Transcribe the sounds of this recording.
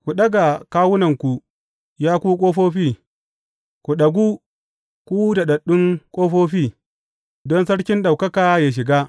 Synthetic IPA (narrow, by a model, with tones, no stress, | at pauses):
kʷu˨ɗɐ˦ɡa˨kaː˦wʊ˦nɐ˨ŋkʷu˨ | jaː˦kʷuː˦kʷʼoː˦ɸoː˦ɸiː˦ | kʷu˨ɗɐ˨ɡʷuː˦ | kʷuː˦da˨ɗɐ˨ɗʊ˦ŋkʷʼoː˦ɸoː˦ɸiː˦ | dɔ˦nsɐ˦ɽkʲɪ˦nɗa˨wkɐ˦kaː˨jaː˨ʃ̬ɪ˨ɡaː˦